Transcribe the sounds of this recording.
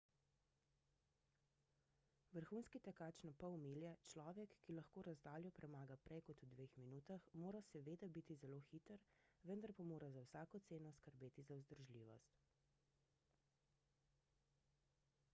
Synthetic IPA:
ʋəɾxuːnskit̪ɛkaːt͡ʃnɔpawmiːljɛt͡ʃlɔːʋɛkːilaxkoːɾazd̪aːljɔpɾʔɛmaːɡapɾʔɛjkɔt̪ud̪ʋexminuːt̪axmoːɾasɛʋeːd̪abit̪izɛloːxit̪əɾʋənd̪aɾpamoːɾazawsaːkɔt̪seːnɔskəɾbeːt̪izawzd̪əɾʒliːʋɔ̰st̪

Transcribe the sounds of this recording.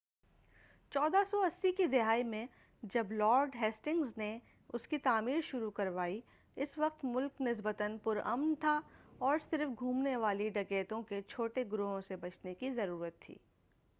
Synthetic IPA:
t͡ʃɔːd̪asɔɐsːikid̪ɪɦaːimẽ | d͡ʒɐblɔːɾɖɦɛːsʈɪ̃ŋɡzne | ʊskit̪aːmiːɾʃʊɾukɐɾʋaːi | ɪsʋɐq̚t̪mʊlknɪs̬bət̪ənpʊɾɐ̰mnt̪ʰaɔːɾsɪɾfɡʱuːmneʋaːliɖɐɡeːt̪õket͡ʃʰoːʈeɡɾoːɦõsebɐt͡ʃnekizɐɾuːɾət̪ʰːḭː

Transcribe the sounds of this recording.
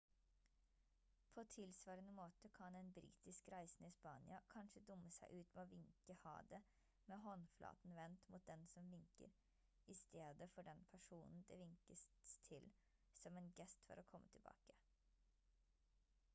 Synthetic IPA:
pʰoːt̪ʰɪlsʋɑːɾənəmoːt̪əkʰɑnɛnbɾḭːt̪ɪskɾæɪsnɪspɑːnɪɑkʰɑnʂəd̪ʊmːəsæɪʔʉːt̪meoːʋɪŋkəhɑ̰ːd̪ə | meːɦɔnflʔɑ̰ːt̪n̩ʋɛnt̪mʊːt̪̚d̪ɛnsɔmʋɪŋkə̰ɾ | ɪst̪eːd̪əfɔɖɛnpʰæʂuːnn̩d̪ɛʋɪŋkəst̪ʰɪl | sɔmɛːnɡɛst̪fɔ̰ɾokʰɔmːət̪ʰɪlbɑ̰ːkə̥

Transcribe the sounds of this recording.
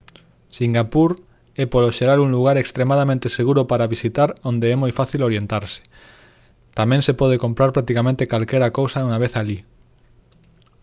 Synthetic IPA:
siŋɡapuɾ | ɛpoloʃeɾaluŋluɣ̞aɾekst̪ɾemaðamẽnt̪eseɣuɾopaɾaβisit̪aɾond̪eɛmojfaθiloɾjent̪aɾse̥ | t̪amɛ̃ŋsepɔð̞ekompɾaɾpɾak̚t̪ikamẽnt̪ekalkɛɾakowsauŋaβeθali

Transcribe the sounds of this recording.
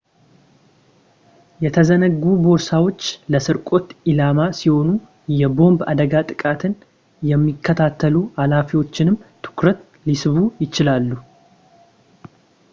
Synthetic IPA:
jɛt̪ʰəzənəɡːubo̞ɾsawo̞t͡ʃːləsɨɾkʼo̞t̪ʔilamasiho̞nu | jɛbo̞mba̰d̪əɡat̪ʼɨkʼat̪ʰɨn | jɛmːikʰːət̪ʰat̪ʰːəlualafiwo̞t͡ʃːɪnɨmt̪ʰɨ̥kɾət̪ | lisɨβujɪt͡ʃɪlalːu

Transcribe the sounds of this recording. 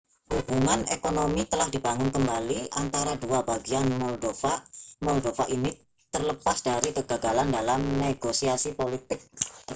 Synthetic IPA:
hub̥uŋanekonomit̪əlahdibaŋʊnkəmbaliʔant̪aɾaduabaɡianmɔldofamɔldofaʔini | t̪ərləpasd̥aɾiɡəɡaɡalandalamneɡosiasipolit̪ɪk̚

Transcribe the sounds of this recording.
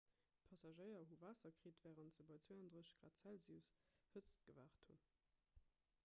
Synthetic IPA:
pʰɑsɑʒɜɪɐɦuvaːsɐkʁiːtv̥æːʁəntz̥əbɑɪt͡sweɑndʁəɕɡ̥ʁa̰ːtt͡sælzisfət͡st̚ɡ̥əvaːχthun

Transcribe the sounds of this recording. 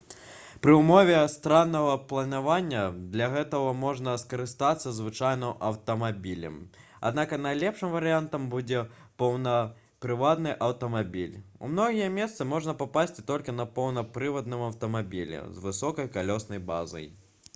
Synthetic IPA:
pɾɨumɔvʲɛst̪ɾanːɐɣɐplˠɐnavanʲːɐd̪lʲɐɣɛt̪ɐɣɐmɔʐnɐskɐɾɨst̪at̪sːɐzvɨt͡ʂajnɐʔɐwt̪ɐmabʲilʲɐ̰m | a̰d̪nakɐnajlʲɛpʂɨmvɐɾɨjant̪ɐmbud͡zʲɛ | pɐwnɐ | pɾɨvat̪nɨʔɐwt̪ɐmabʲilʲṵmnɔɣʲijɛmʲɛst̪sɨmɔʐnɐpapasʲt͡sʲt̪ɔlʲkʲinɐpɐwnɐpɾɨvɐd̪nɨmɐwt̪ɐmabʲilʲɛ̰zvɨsɔkɐjkalʲɔsnɐjba̰zɐ̰j

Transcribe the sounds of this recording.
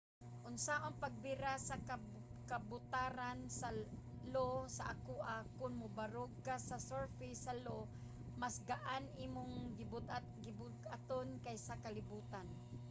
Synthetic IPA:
ʔʊnsaʔoŋpaɡ̚bɪɾasaka | kabʊt̪aːɾansa | losaʔakuːʔakʊnmʊbaɾoɡasasoɹfɪsalo | masɡaʔanʔiːmʊŋɡ̪ | ɡɪbʊɡat̪onkajsakalɪbuːt̪an

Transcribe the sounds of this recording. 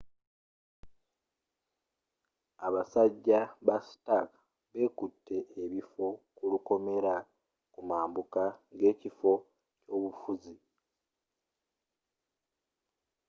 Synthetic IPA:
aβasaɟːaβastak | βe̞ːkutʰːe̞ʔːβifo̞kuluko̞me̞ɾa | kumaːmbukaŋɡe̞ːcifo̞ | co̞ːβufuzi

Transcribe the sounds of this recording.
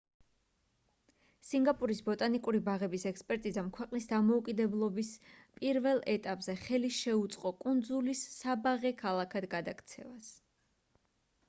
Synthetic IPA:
siŋɡapʼuɾisbɔt̪ʼanikʼuɾibaʁɛbisɛkspʼɛɾt̪ʼizamkʰwɛqʼnisd̪amɔukʼid̪ɛblˠɔbispʼiɾvɛlˠɛt̪ʼapʼz̥ɛχɛliʃɛut̪sʼqʼɔkʼund̪zulisabaʁɛkʰalˠakʰad̪ɡad̪akʰt̪sʰɛ̰vas

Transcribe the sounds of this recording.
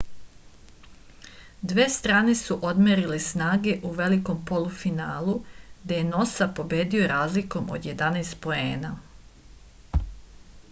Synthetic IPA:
d̪ʋeːst̪ɾaːne̞suʔo̞d̪meɾilesnaːɡe̞ʔuʋe̞liko̞mpo̞lufinaːlˠud̪ejeno̞sapo̞bjeːd̪iojeɾaːzliko̞mo̞̰d̪je̞d̪aneːst̪̚po̞e̞̰ːna

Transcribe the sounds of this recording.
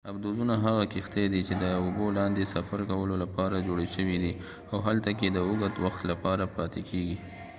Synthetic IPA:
abd̪ozunaɦaɣakixt̪ed̪it͡ʃed̪əobolɑnd̪esafaɾkawəlolapɑɾad͡ʒoɽeʃəwid̪i | awɦalt̪aked̪əʊɡat̪waxt̪lapɑɾapɑt̪ekʰeɡi

